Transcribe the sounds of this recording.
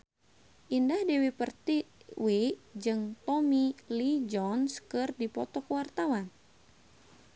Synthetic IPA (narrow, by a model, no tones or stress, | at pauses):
ʔindahdɛwipərt̪iwiʔd͡ʒɨŋt̪ɔmilid͡ʒɔnskɨrdipɔt̪ɔkəwart̪awan